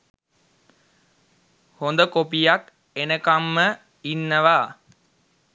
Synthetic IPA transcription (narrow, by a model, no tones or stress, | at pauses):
hond̪əkopijak | enəkamːə | inːəʋaː